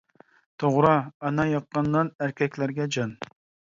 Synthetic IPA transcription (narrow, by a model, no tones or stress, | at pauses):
t̪ʰoʁɾɑɑnɑjɑqːɑnːɑnæɾkʲʰɛkʲlæɾɡʲɛd͡ʒɑn